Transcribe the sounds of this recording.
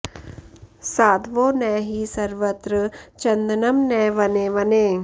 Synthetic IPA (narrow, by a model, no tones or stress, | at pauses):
saːd̪ʋõːnɛːɦiːsɐɾʋət̪ɾət͡ʃɐ̃nd̪ənɐmnɛːʋɐneːʋɐneː